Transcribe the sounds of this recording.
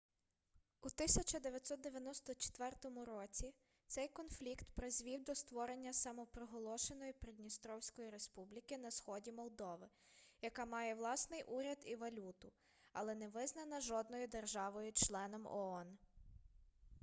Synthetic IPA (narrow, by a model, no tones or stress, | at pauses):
ut̪ɪsʲɐt͡ʃɐd̪eʋʲjɐt̪ʲsɔt̪̚d̪eʋʲjɐnɔst̪ɔt͡ʃe̥t̪ʋɛrt̪ɔmʊɾɔt͡sʲi | t̪sɛjkɔnflʲikt̪pɾezʲʋʲiwd̪ɔst̪ʋɔɾe̞nʲːɐsɐmɔpɾɔɦɔlˠɔʃe̞nɔjipɾʲed̪ʲnʲist̪ɾɔwsʲkɔjiɾe̞spublʲikɪnɐsxɔdʲimɔlˠd̪ɔʋɪ | jɐkɑmɑjɛʋlˠɑsnɪjʔuɾʲɐd̪iʋɐlʲut̪ʊ | ɐlˠɛnɛʋɪznɐnɐʒɔd̪nɔjʊd̪erʒɑʋɔjʊt͡ʃlˠɛnɔmɔ̰ɔn